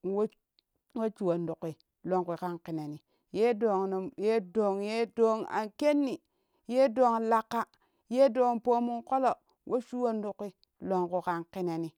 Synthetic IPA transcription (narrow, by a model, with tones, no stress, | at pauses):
wo˦ | wo˦t͡ʃu˨wo˨ndu˨kːi˨ | lo˨ŋki˨ka˦ŋki˨ne˨ni˨ | je˦do˨ŋn˨je˦do˨ŋje˦do˦ŋa̰˨nke˦nːi˨ | je˦do˦˨ŋla˨kːa˦ | je˦do˨ŋpo˦mu˦ŋko˦lo˨ | wʔo˦t͡ʃu˦wo˦ndu˨kːi˦ | lo˨ŋku˨ka˦ŋki˦ne˨ni˨